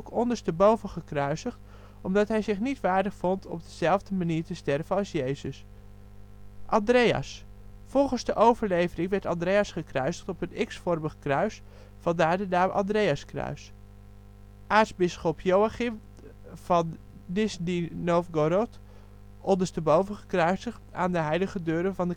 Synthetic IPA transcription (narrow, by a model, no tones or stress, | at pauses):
kʰɔndəɹstəbowvəχəkrœɥsəχt | ɔmdɑtɦɛjzɪχnitʋaːɹdəχfɔntʰɔ̰b̚dəz̥ɛlˠvdəmaniːɹtəstɛrvənɑlˠsjeːzəs | ʔɑndrejɑ̰s | fɔlˠχənzdəʔowvəɹleːvərɪŋʋɛɹtɑndrejasχəkrœɥsəχtɔpənɪksfɔrməχkrœɥs | fɑndaːɹdədaːmʔɑ̰ndrejəskrœ̰ɥs | ʔaːtzbɪsχɔpʰjowaχɪm | vɑn | dɪsdinoːfɡoɾot | ʔɔndəstəbowvəχəkrœɥsəχtaːndəɦɛjləɣədøːɾəvɑndə